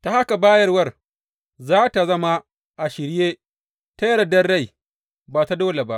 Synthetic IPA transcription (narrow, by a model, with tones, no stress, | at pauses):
ta˨ha˦ka˨baː˦jɐ˦rwɐ˦˨r | zaː˦ta˨zɐ˦ma˦ | ʔa˨ʃɪ˨ɾjeː˦ | ta˦jɐ˦ɾɐ˨dɐ˦rːa˦˨j | baː˨ta˦doː˦le˨ba˦ʔ